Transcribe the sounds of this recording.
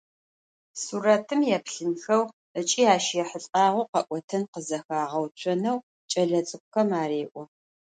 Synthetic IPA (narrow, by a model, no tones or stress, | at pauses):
suːɾɐtʰɨmjɛpɬɨnxɐw | ət͡ʃʼiːaːʃjɛħəɬʼaːʁʊqɐʔʷʼɔtʰɐnqəzɐxaːʁɐwt͡ʃʷʰɔnɐw | t͡ʃʼɐɮɐt͡sʼɨk̚ʷʼxɐmaːɾeːʔʷʼɔ